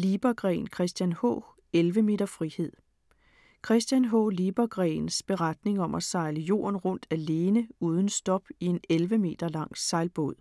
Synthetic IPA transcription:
lib̥ɐɡ̥ʁɛ̰ːnkʰʁɛsd̥jænhɔ̰̽ː | elʋəme̝̰ːd̥ɐfʁihe̝ð̞̰ˠ | kʰʁɛsd̥jænɦɔ̰ːliːb̥ɐɡ̥ʁɛ̰ɪnsb̥e̝ʁad̥ne̝ŋɒ̽mʔæsɑ̈ɪləjo̝̰ːɐnʁɔ̽n̰d̥æle̝ːnəuːð̞ˠən̩sd̥ɒ̽b̥ie̝nelʋəme̝̰ːd̥ɐlɑ̈ŋ̰sɑ̈ɪlb̥o̝ð̰ˠ

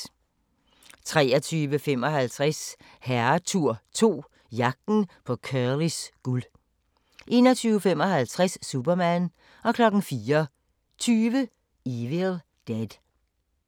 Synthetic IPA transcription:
t͡sʰʁɛːɐt͡sʰyːʋəfem̰ɒ̽ɦælt͡sʰʁas | hæɐt͡sʰuɐ̰t͡sʰo̝̰ː | jɑ̈ɡ̥̚d̥n̩pʰɒ̽kʰɶlisɡ̥ul | ʔe̝̰ːnɐt͡sʰyːʊfemɒ̽ɦælt͡sʰʁaɛsːub̥ɐmæn | ɒ̽kʰlɒ̽ɡ̥n̩fiːɐ | t͡sʰyːʋə | iʋel | d̥æd̥

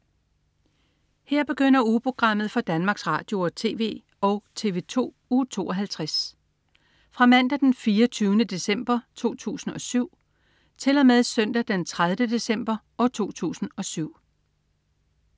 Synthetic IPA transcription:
heɐ̰b̥e̝ɡ̥øn̰ɐupʰʁo̝ɡ̥ʁɑ̈m̰ð̩ˠfɒ̽d̥ænmɑ̈ɡ̥sʁɑ̰̈ːd̥jo̝ɐt͡sʰe̝̰ːʋe̝̰ː | ɒ̽ʊt͡sʰe̝̰ːʋe̝t͡sʰo̝̰ː | ut͡sʰo̝̰ːɒɦælt͡sʰʁas | fʁɑ̈mæn̰d̥æd̥enfiːɐt͡sʰyːʊnəd̥e̝sem̰b̥ɐt͡sʰo̝̰ːt͡sʰṵːsn̩ɒ̽syʊ̰ | t͡sʰe̝lɒmeðˠsœn̰d̥æd̥ent͡sʰʁaðˠʋəd̥e̝sem̰b̥ɐʔɒ̽t͡sʰo̝̰ːt͡sʰṵːsn̩ɒ̽syʊ̰

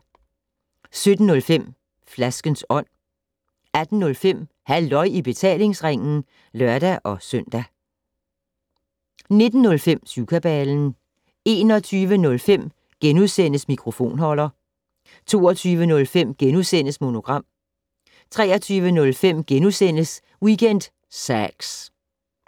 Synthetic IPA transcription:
sød̥n̩nɔ̽lfem̰ | flæsɡ̥ənsɒ̽n̰ | æd̥n̩ːɔ̽lfem̰ | hæld̥ɒ̽ɪ̰ib̥e̝t͡sʰɛ̰ːle̝ŋsʁeŋ̰n̩ | lɶɐd̥æʔɒ̽sœn̰d̥æ | ne̝d̥n̩ːɔ̽lfem̰sukʰæb̥ɛln̩ | e̝ːnɒ̽t͡sʰyːʋənɔ̽lfem̰ | ɡ̥enuðˠsen̰əsmikʰʁo̝fo̝̰ːnɦɒ̽l̰ɐ | t͡sʰo̝̰ːɒt͡sʰyːʋənɔ̽lfem̰ɡ̥enuðˠsen̰əsmo̝no̝ɡ̥ʁɑ̈m̰ | t͡sʰʁɛːɐt͡sʰyːʋənɔ̽lfem̰ɡ̥enusen̰əs | wiɡ̥en̰d̥ | sæɡ̥s

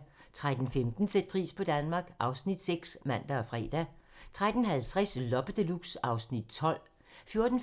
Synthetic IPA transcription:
t͡sʰʁad̥n̩femd̥n̩sed̥̚pʰʁḭːspʰɒ̽d̥ænmɑ̈ːɡ̥ʔɑ̈ʊsnid̥seɡ̥smæn̰d̥æɒ̽fʁɛ̰ːd̥æt͡sʰʁad̥n̩ɦælt͡sʰʁaslɒ̽b̥əd̥əluɡ̥sɑ̈ʊsnid̥̚t͡sʰɒ̽l̰ | fjo̝ɐd̥n̩

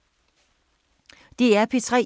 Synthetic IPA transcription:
d̥iæɐpʰet͡sʰʁɛ̰ː

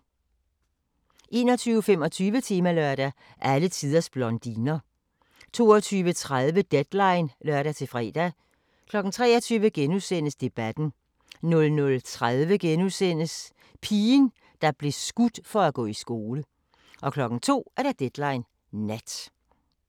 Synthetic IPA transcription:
ʔe̝̰ːnɒ̽t͡sʰyːʊfemɒ̽t͡sʰyːʋət͡sʰiːmælœɐɾ̥æ | ʔælət͡sʰið̞ˠɐsb̥lɒnd̥inɐ | t͡sʰo̝̰ːɒt͡sʰyːʋət͡sʰʁað̞ˠʋəd̥ed̥lɑ̈ɪnlœɐ̰ɾæt͡sʰe̝fʁɛ̰ːd̥æ | kʰlɒ̽ɡ̥n̩t͡sʰʁɛːɐt͡sʰyːʋəɡ̥enuðˠsen̰əsd̥e̝b̥æd̥n̩ | nɔ̽lnɔ̽lt͡sʰʁaðˠʋəɡ̥enusen̰əs | pʰiːn | d̥ɑ̈b̥le̝sɡ̥ud̥fɒ̽æɡ̥ɔ̰ːisɡ̥o̝ːlə | ʔɒ̽kʰlɒ̽ɡ̥n̩t͡sʰo̝̰ːæɐɾ̥æd̥ed̥lɑ̈ɪn | næd̥

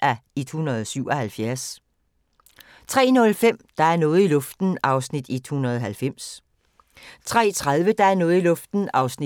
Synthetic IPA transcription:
æed̥hunɐð̞ˠsyʊ̰ɒ̽hælfjæɐs | t͡sʰʁɛ̰ːnɔ̽lfem̰d̥ɑ̈æɐnɔ̽ːð̩ˠilɔ̽fd̥n̩ɑ̈ʊsnid̥ed̥hunɐð̞ˠɒɦælfem̰s | t͡sʰʁɛ̰ːt͡sʰʁaðˠʋəd̥ɑ̈æɐnɔ̽ːð̩ˠilɔ̽fd̥n̩ɑ̈ʊsni

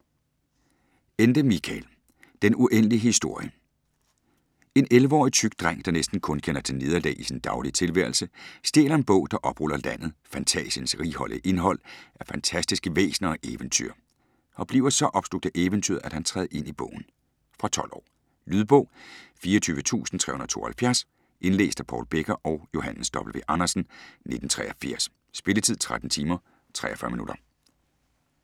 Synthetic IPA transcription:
end̥əmikʰɛl | d̥enuʔen̰əliɦisd̥o̝ɐ̰jə | e̝nelʋəɒ̰ːit͡sʰyɡ̥̚d̥ʁaŋ̰d̥ɑ̈nesd̥n̩kʰɔ̽nkʰenɐt͡sʰe̝ne̝ð̞ˠɐlɛ̰ɪisind̥ɑ̈ʊliət͡sʰe̝lʋæɐlsəsd̥e̝ːlɐe̝nb̥ɔ̽ʊ̰d̥ɑ̈ʔɒ̽b̥ʁul̰ɐlæn̰ð̞̩ˠfænt͡sʰɛ̰ːɕənsʁiɦɒ̽l̰ʔˠʔe̝nɦɒ̽l̰æɐfænt͡sʰæsd̥isɡ̥əʋḛːsnɐɒ̽ʔeːʋənt͡sʰy̰ɐ̰ | ɒ̽b̥lḭːʊɐsɒ̽ʔɒ̽b̥sl̥oɡ̥̚d̥əʔeːʋənt͡sʰy̰ɐðˠæd̥hænt͡sʰʁɛ̰ːð̩ˠe̝n̰ib̥ɔ̰̽ʊ̰n̩ | fʁɑ̈t͡sʰɒ̽l̰ɒ̰ː | lyð̞ˠb̥ɔ̽ʊfiːɐɒt͡sʰyːʋət͡sʰṵːsn̩t͡sʰʁɛ̰hunɐðˠt͡sʰo̝ːɐhælfjæɐs | ʔe̝nlḛːsd̥æpʰɒ̰ːlb̥eɡ̥ɐʔɒʊjo̝hæn̩sd̥ɒ̽b̥l̩ʋe̝ʔɑnɐsn̩ne̝d̥n̩t͡sʰʁɛ̰ːɐfiɐ̰sː | b̥e̝lət͡sʰið̞̰ˠt͡sʰʁad̥n̩t͡sʰiːmɐ | t͡sʰʁɛ̰ːɐfɶɐminuɾ̥ɐ

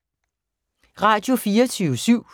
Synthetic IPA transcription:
ʁɑ̈d̥jo̝fiːɐt͡sʰyːʊsyʊ̰

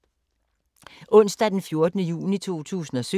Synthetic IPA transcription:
ʔɔ̽n̰sd̥æd̥enfjo̝ɐd̥ənəjṵːnit͡sʰo̝̰ːt͡sʰṵːsn̩ɒ̽sø

